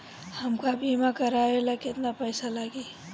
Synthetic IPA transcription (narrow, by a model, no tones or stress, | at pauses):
həmkabʱimakəɾaelakɪt̪napəjsalaɡi